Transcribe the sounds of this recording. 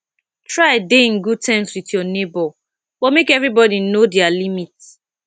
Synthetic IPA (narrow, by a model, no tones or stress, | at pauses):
tɹadeĩnɡud̚tʰɛ̃nswitjɔnebɔ | b̥ɔmekɛvɹibɔdinodialimit